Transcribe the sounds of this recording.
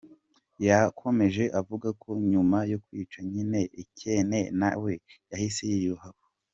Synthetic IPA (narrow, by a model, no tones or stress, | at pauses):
jakʰo̞me̞ʒe̞ʔavuɡakʰo̞ɲumajo̞kwiːt͡ʃaɲine̞ʔicene̞na̰we̞jahisejijoɦaβo